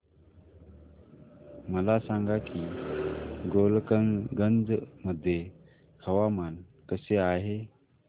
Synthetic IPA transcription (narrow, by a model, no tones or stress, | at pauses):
məlasaŋɡaki | ɡolkəŋɡənd͡zməd̪ʱːje | hʰəʋamən | kəseaɦe